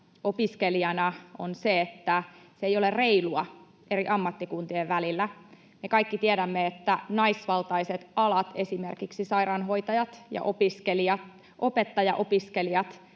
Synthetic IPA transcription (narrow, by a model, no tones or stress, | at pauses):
opiskeliɑnɑo̰nseet̪ːæsejo̞lerreiluɑ | e̞ɾiʔɑmːɑt̪ːikunt̪ieʋʋælilːæ | mekɑikːit̪ieɾæmːeet̪ːænɑisʋɑlt̪ɑiset̪ɑlɑt̪e̞simerkiksisɑiɾɑnɦo̞it̪ɑjɑt̪jɑ̰ʔopiskeliɑ | ʔo̞pet̪ːɑjɑʔo̞piskeliɑt̪